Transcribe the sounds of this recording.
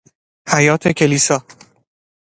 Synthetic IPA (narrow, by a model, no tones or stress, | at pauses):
hæjɒːt̪ʰecʰe̞liːsɒː